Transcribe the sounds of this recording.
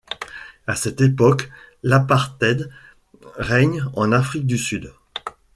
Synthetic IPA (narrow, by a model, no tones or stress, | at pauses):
asɛt̪epɔklapaʁt̪ɛd̪ | ʁɛɲɑ̃nafχik̚d̪ysyd̪